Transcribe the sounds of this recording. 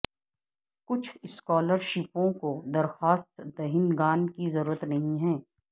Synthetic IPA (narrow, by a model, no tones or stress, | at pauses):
kʊt͡ʃʰɪskɔːləɾʃɪpõkod̪ɐɾxaːst̪d̪ɐɦɪnɡaːnkizɐɾuːɾət̪nɐɦĩɦɛ̃ː